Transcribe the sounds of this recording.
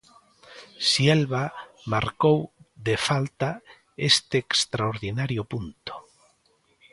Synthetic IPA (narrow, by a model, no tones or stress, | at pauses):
siɛlβa | maɾkowðefalt̪a | est̪eːkst̪ɾaoɾðinaɾjopunt̪o̥